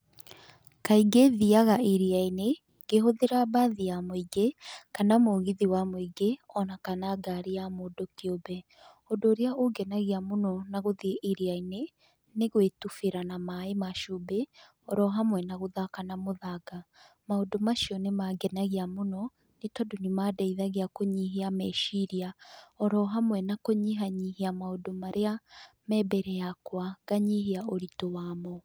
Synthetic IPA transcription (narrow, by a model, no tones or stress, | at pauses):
kaiɡeðiaɣaiɾiaine | ɡ̥eɦoðeɾabaðiamoiɡekanamoɣiðiwamoiɡeɔnakanaɡaɾiamodokiobɛ | ondoːɾeaoɡɛnaɣiamonɔnaɣoðiʔiɾiaine | neɣwetufeɾanamaemaʃobe | ɔɾɔɦamwɛnaɣoðakanamoðaɡa | maodomaʃiɔnemaɡɛnaɣeamonɔ | netɔdonimadaiðaɣeakoɲiɦeamɛʃiɾiaɔɾɔɦamwɛnakoɲiɦaɲihiamaodomaɾea | mɛbɛɾɛjakwaɡ̥aɲiɦeaoɾitowaːmɔ